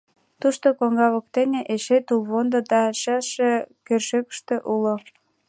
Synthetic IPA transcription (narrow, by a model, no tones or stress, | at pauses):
t̪uʃt̪okoŋɡɑβə̆k̚t̪eneʔeʃet̪ulβond̪od̪ɑʃɑʃekørʃøkə̥ʃt̪øʔulo